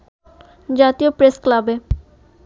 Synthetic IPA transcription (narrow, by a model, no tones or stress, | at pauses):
d͡ʒaːt̪ijopɾesklabɛː